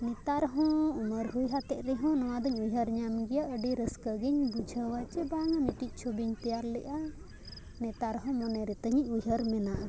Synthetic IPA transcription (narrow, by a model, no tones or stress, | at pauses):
nɛt̪aɾɦɔ̃uməɾɦujɦat̪ɛʔ̚ɾɛɦɔ̃nɔwad̪əɲujɦəɾɲamɡɛjaʔəɖiɾəskəɡiɲbud͡ʒʱəwat͡ʃɛbaŋamiʈic̚ˀt͡ʃʰobiɲt̪ɛjaɾlɛʔa | nɛt̪aɾɦɔ̃mɔnɛɾɛt̪əɲiɲ̚ˀujɦəɾmɛnaʔa